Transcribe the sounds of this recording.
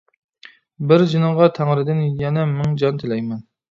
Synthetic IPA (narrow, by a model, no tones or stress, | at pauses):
bɪɾd͡ʒinɨŋʁɑt̪ʰæŋɾɪd̪ɪnjɛnɛmɪŋd͡ʒɑnt̪ʰɪlɛjmɛn